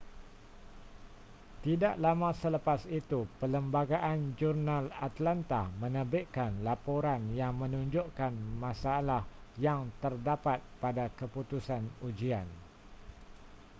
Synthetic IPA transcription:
t̪idaʔlamãsələpasit̪upələmbaɡaʔand͡ʒurnãlat̪lant̪ahmə̃nəbɪʔkanlapoɾanjaŋmə̃nũɲd͡ʒoʔkanmãsaːlahjaŋt̪ərdapat̪̚padakəput̪usanud͡ʒian

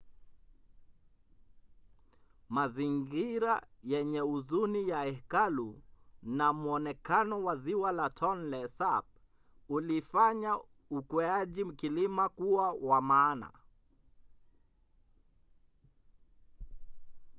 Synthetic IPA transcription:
maziŋɡiɾajɛɲɛuzunijaɛkalunamuɔnɛkanɔwaziwalatʰɔnlɛsap̚ | ulifaɲa | ukwaʄim̩kilimakuwawamaːna̰

